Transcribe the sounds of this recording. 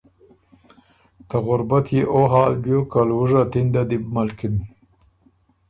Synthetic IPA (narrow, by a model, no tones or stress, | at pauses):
t̪aɣʊɾbat̪jeʔoɦɑːlbjokalwuʐat̪ind̪ad̪ib̚malkin